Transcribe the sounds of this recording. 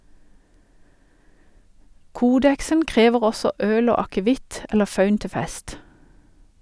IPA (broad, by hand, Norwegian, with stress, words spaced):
ˈkuːdɛksən ˈkʁeːʋəʁ ˈɔsɔ ˈøːl ˈoː ɑkəˈʋɪt ˈɛlə ˈfɑʉn ˈtɪ ˈfɛst